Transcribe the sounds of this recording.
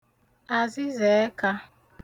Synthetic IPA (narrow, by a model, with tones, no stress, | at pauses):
a˨zɪ˦ze˨˦ka˦